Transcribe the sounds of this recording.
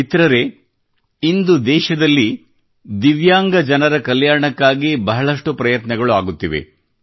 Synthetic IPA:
it̪ɾɐɾe̞ | ind̪ud̪ɛːʃɐd̪ɐlːi | d̪iʋjaːŋɡɐd͡ʒɐnɐɾɐkɐljaːɾɳɐkːaːɡibɐɦɐɭɐʂʈupɾɐjɐt̪nɐɡɐɭuaːɡut̪ːiʋḛ

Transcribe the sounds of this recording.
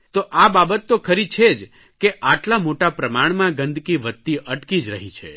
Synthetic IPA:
t̪oʔababət̪ːokʰəɾit͡ʃʰed͡ʒ | keʔaʈlamoʈapɾəmaɳ̃mãɡə̃nd̪ʱkiʋət̪ːiʔəʈkid͡ʒɾəɦit͡ʃʰḛ

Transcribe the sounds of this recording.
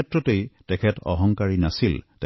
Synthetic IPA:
ɛtɹɔtejtɛkʰɛtɔ̰ɦɔŋkaɹinasiltɛ

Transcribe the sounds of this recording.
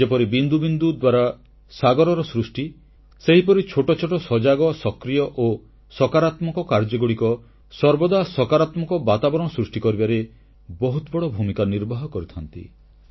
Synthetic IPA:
d͡ʒepɔɾibind̪ubind̪ud̪waɾa | saɡɔɾɔɾɔsɾusʈi | seɦipɔɾit͡ʃʰoʈɔt͡ʃʰoʈɔsɔd͡ʒaɡɔsɔkɾijɔʔo | sɔkaɾat̪mɔkɔkaɾd͡ʒɔɡuɽikɔ | sɔɾbɔd̪asɔkaɾat̪mɔkɔbat̪abɔɾɔɳɔsɾusʈikɔɾibaɾe | bɔɦut̪ɔbɔɽɔbʱumikaniɾbɔɦɔkɔɾit̪ʰɔnt̪ḭ

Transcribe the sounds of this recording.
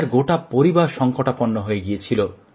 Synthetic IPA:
ɾɡoʈapoɾibaɾʃɔŋkoʈapɔnːoɦojeɡijet͡ɕʰilo

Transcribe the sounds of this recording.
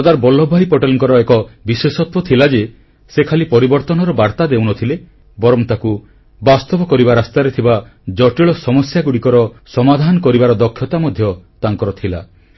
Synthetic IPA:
ɔd̪aɾbɔlːɔbʱajpɔʈelɔŋkɔɾɔekɔbiswesɔt̪wɔt̪ʰilad͡ʒe | sekʰalipɔɾibɔɾt̪ɔnɔɾɔbaɾt̪ad̪ewnɔt̪ʰile | bɔɾɔmt̪aku | bast̪ɔbɔkɔɾibaɾast̪aɾet̪ʰibad͡ʒɔʈiɭɔsɔmɔsjaɡuɽikɔɾɔsɔmad̪ʱanɔkɔɾibaɾɔd̪ɔkʰːjɔt̪amɔd̪ʱjɔt̪aŋkɔɾɔt̪ʰila

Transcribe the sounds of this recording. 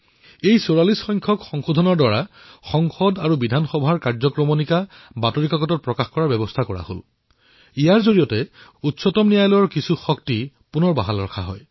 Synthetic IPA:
ejsoɹalisxɔjŋkʰɔkxɔŋxodʱɔnɔɹdaɹa | xɔŋxɔdaɹubidʱanxɔbʱaɹkaɹzɔkɹɔmɔnika | batɔɹikaɡɔtɔt̚pɹɔkaxkɔɹaɹbɛbɔstʰakɔɹa̰ho̰l | ijaɹzoɹijɔtɛutsɔtɔmnijajlɔjɔɹkisuxɔkti | punɔɹbaɦalɹɔ̰kʰaɦɔ̰j

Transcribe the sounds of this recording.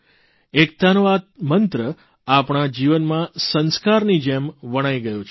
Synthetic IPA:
ek̚d̪anʋad̪̚mənt̪ɾə | apɳ̃ad͡ʒiʋənmãsənskaɾnid͡ʒemʋəɽ̃aiɡəjõt͡ʃʰ

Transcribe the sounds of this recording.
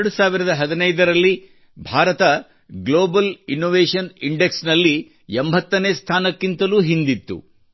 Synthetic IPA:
ɽusaːʋiɾɐd̪ɐɦɐd̪inɐjd̪ɐɾɐlːi | bʱaːɾɐt̪ɐ | ɡloːbɐlinːoːʋeːʂɐniɳɖeksnɐlːi | embʱɐt̪ːɐneːst̪ʰaːnɐkːint̪ɐluːɦind̪it̪ːṵ

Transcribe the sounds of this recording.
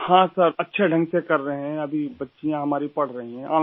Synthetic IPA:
hãːsəɾɐtːʃʰeɖʱɐ̃ŋɡsekɐɾːɐɦɛ̃ɐbʱibɐtːʃijãɦɐmaːɾipɐɽ̤ɾɐɦĩɦɛ̃ʔaː

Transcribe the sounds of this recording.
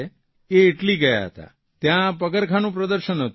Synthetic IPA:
e | eːʈliɡəja̰ɦə̰t̪a̰ | t̪jãpəkəɾkʰanũpɾəd̪əɾʃənɦət̪

